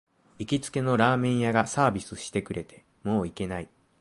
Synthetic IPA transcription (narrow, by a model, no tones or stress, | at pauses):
ikʲit͡sɨ̥ke̞no̞ɾaːmẽ̞ɰ̃jaɡasaːbʲisɨɕi̥t̪e̞kɯ̟ɾe̞t̪ʰe̞̥ | mo̞ːike̞nai